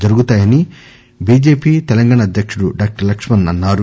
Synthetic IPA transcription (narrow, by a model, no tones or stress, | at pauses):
d͡ʒɐɾuɡut̪aːjɐni | biːd͡ʒe̞ːpiːt̪ɛlɐŋɡaːɳaːd̪jɐkʂuɽuɖaːk̚ʈɐɾlɐkʂmɐnɐnːaːɾu